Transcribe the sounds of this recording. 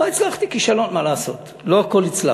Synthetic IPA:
ait͡slaχt̪ikiʃalo̞nmalaːso̞̰t̪ | loako̞lit͡sla̰

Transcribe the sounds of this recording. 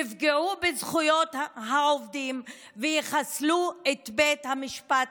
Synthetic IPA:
ifɡeubezχujot̪ɦaovdim | vejiχasluet̪bet̪hamiʃpat̪

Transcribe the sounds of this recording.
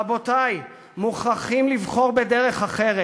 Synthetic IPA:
abotaj | muχaχimlivχo̞ʁbedeʁe̞χaχeʁe

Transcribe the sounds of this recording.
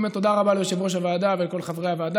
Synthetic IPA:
metːo̞d̪aʁabaleʃivʁoʃ̬avaːd̪avelko̞lχavʁehavaːd̪a

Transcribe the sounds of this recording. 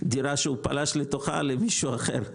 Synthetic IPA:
d̪iɾaʃeupa̰laʃlet̪oχa̰lemiʃuaχḛʁ

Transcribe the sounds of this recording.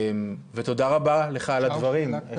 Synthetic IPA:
mvet̪o̞d̪aʁabale̞χalad̪vaʁim

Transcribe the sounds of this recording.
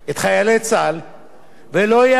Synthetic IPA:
et̪χajalet͡sal | veloja

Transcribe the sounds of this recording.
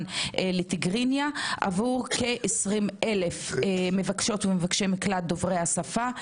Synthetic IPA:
neletiɡʁinjaʔa̰vuʁke̞ʔesʁimʔe̞le̞fmevakʃo̞tvemevakʃemiklat̚d̪ovʁejhasafa

